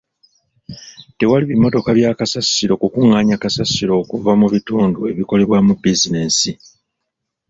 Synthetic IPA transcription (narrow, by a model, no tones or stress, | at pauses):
te̞waliβimo̞to̞kaβjaːkasasːiɾo̞kukuŋːaɲakasasːiɾo̞ːkuvamuβituːndue̞βiko̞le̞βwamubizine̞ːsi